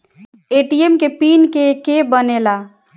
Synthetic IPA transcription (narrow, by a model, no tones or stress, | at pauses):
eʈiemkepinkekebənela